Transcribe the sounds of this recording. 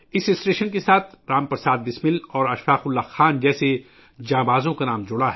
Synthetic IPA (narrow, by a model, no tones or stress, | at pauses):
ɪsɪsʈeːʃənkesaːt̪ʰɾaːmpɐɾsaːd̪bɪsmɪlɔːɾɐʃfaːxʊlːaxaːnd͡ʒɛːse | d͡ʒãːbaːzõkanaːmd͡ʒʊɽaɦ